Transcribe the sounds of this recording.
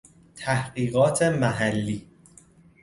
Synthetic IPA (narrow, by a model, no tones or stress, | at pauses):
t̪ʰæhɢiːɣɒːt̪ʰe̞mæɦælːiː